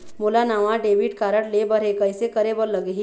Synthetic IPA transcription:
mulanaʋaɖeʋiʈkaɾəɽlebəɾɦekəjsekəɾebəɾləɡɦi

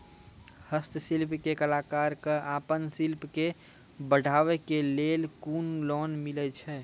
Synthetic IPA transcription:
həst̪silpkekəlaːkaɾkəapənsilpke | bəɽʱaʋɛkelelkunlɔnmilɛt͡ʃʰɛ

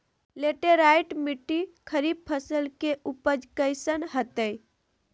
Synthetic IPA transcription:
leʈeɾajʈmiʈːikʰəɾib̚pʰəsəlkeʔupəd͡ʒkəjsənɦət̪əj

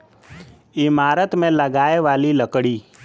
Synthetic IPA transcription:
ɪmaːɾət̪mẽləɡaːeʋaːliləkɽiː

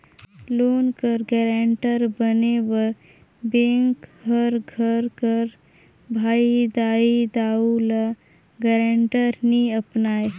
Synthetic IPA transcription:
loːnkəɾɡɛːɾaːɳʈəɾbəneʋə | bẽːŋkɦəɾɡʱəɾkəɾ | bʱaːid̪aːid̪aːula | ɡɛɾãːɳʈəɾniəpnaːe

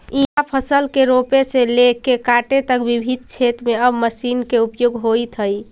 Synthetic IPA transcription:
ĩapʰəsəlkeɾopeselekekaʈet̪əkbibʱid̪t͡ʃʰet̪meəbməsinkeupjoɡɦojt̪ɦəj

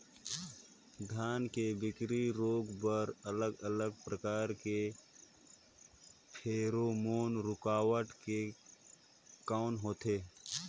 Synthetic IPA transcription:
d̪ʱjaːnkebɪkɾiɾoːɡbəɾələɡələɡ̚pɾəkaːɾke | pʰeːɾomoːnɾʊkaːwəʈke | kaːʊnɦoːt̪eː

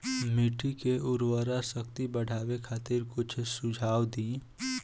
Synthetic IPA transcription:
miːʈikeʊɾwəɾasəkt̪ibəɽ̤ʱaːwekʰaːt̪ɪɾkʊt͡ʃʰsʊd͡ʒʱaːwd̪iː

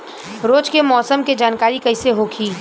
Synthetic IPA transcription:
ɾoːt͡ʃkemɔːsəmked͡ʒaːnkaːɾikɐɪseɦoːkʰiː

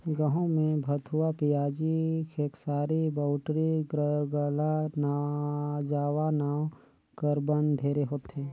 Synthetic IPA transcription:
ɡə̃ɦõmẽbʱət̪ʊwapijaːd͡ʒikʰeːksaːɾibaːʊʈɾiɡəɡəlana | d͡ʒaːwanaːw | kəɾbənɖʱeːɾeɦoːt̪ɦeː

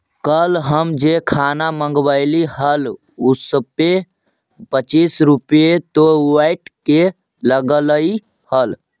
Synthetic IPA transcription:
kəlɦəmd͡ʒekʰanaməŋɡbəɪliɦəl | usəbpːe | pət͡ʃisɾupet̪owajʈke | ləɡələj | həl

